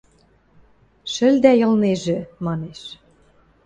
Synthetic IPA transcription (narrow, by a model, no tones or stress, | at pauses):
ʃɘ̆ld̪æjɤ̆lneʒĕmɑneʃ